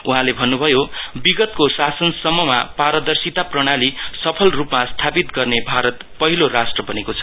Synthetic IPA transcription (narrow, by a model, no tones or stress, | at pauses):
uɦãlebʱʌnːubʱʌjobiɡʌt̪kosasʌnsʌmːʌma̰paɾʌd̪ʌrsit̪aprʌɽ̃alisʌpʰʌlrupmast̪ʰapit̪ɡʌrnebʱaɾʌt̪pʌɦilorasʈrʌbʌnekot͡sʰʌ̥